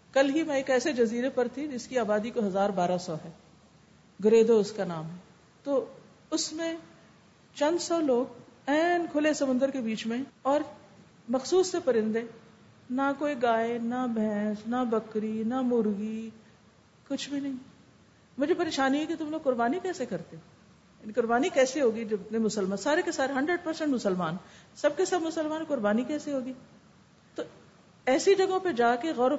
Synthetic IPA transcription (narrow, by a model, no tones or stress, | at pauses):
kɐlɦimɛ̃eːkɛːsed͡ʒɐziːɾepɐɾt̪ʰid͡ʒɪskiaːbaːd̪ikoɦɐzaːɾbaːɾasɔːɦɛː | ɡɪɾeːd̪oʊskanaːmɦɛː | t̪oː | ʊsmẽ | t͡ʃɐ̃nd̪sɔːloːɡɛːnkʰʊlesɐmʊ̃nd̪əɾkebiːt͡ʃmẽɔːɾ | mɐxsuːsːepɐɾɪ̃nd̪ẽ | nakoːiɡaːenabʱɛ̃ːsnabɐkɾinamʊɾɣi | kʊt͡ʃʰbʱinɐɦĩ | mʊd͡ʒʱepɐɾeːʃaːniɦɛket̪ʊmloːɡ̚kʊɾbaːnikɛːsekɐɾt̪eɦɛ | jaːnikʊɾbaːnikɛːseɦoːɡid͡ʒɐnemʊsəlmaːsaːɾekesaːɾeɦɐ̃ɳɖɾəɖ̚pɐɾsɛ̃ɳʈmʊsəlmaːnsɐb̚kesɐbmʊsəlmaːnkʊɾbaːnikɛːseɦoːɡiː | t̪o | ɛːsid͡ʒɐɡõped͡ʒaːkeɣɔːɾ